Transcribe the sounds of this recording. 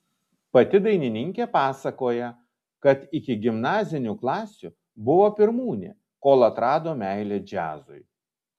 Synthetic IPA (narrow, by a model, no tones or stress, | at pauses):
pɐt̪ʲɪd̪ɐɪnʲɪnʲɪŋʲkʲeːpɑːsɐkoːjɛ | kɐt̪ɪkʲɪɡʲɪmnɑːzʲɪnʲuːklˠɑːsʲʊ | bʊʋoːpʲɪɾmuːnʲḛː | koːlˠɐt̪ɾɑːd̪oːmʲæɪlʲeːd͡ʒʲæːzʊɪ